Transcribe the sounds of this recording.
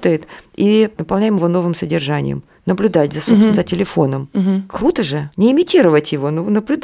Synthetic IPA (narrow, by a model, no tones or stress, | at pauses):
t̪əjɪt̪inəpɐlˠnʲæjɪmɪvo̞no̞vɨmsədʲɪrʐanʲɪ̰jə̰m | nəblʲʊd̪atʲzɐsuzətʲɪlʲɪfo̞nəmkɾut̪əʐɨnʲɪɪmʲɪtʲiɾəvətʲjɪvo̞nonəblʲʊd̪